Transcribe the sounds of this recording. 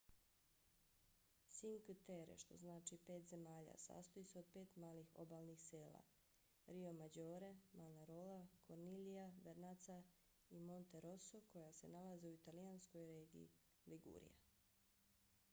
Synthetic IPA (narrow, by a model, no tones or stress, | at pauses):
siŋkt̪eɾḛʃt̪o̞znaːt͡ʃipe̞ːt̪ze̞maːʎa̰sa̰ːst̪oiseo̞d̪̚pe̞ːt̪maːlixo̞̰baːlˠnixseːla̰ | ɾio̞mad͡ʑoːɾe̞manaɾoːlakʰoɾnilijaʋeɾnat̪sa | imo̞nt̪e̞ɾosoko̞jase̞nalazeuit̪aliansko̞jɾeːɡḭː | liɡṵːɾḭja̰